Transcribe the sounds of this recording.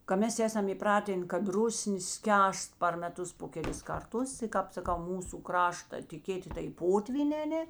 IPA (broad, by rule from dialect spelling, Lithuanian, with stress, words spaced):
kɐ ˈmʲɛs ˈæːsɐm iːˈprɑːtʲeːn kɐt ˈrʊsʲnʲeː ˈsʲkʲæːst pɐr mʲɛˈtʊs poː kʲɛˈlʲɪs ˈkɐrˌtʊs ɪ ˈkɑːp sɐˈkɐʊ ˈmuːsʊ ˈkrɑːʃtɐ tʲeː ˈkʲeːtʲɪ tɐɪ ˈpoːtʲʋʲiːnʲɛː ɐˈnʲeː